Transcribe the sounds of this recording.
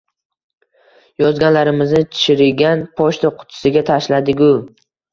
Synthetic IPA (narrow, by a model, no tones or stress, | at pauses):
jɒzɡʲanlaɾɪmɪznɪt̪ʰɪ̥ʃɪɾɪɡʲanpʰɒʃt̪aqʰʊ̥t̪ʰɪ̥sɪɡʲat̪ʰaʃlad̪ɪɡʲʊ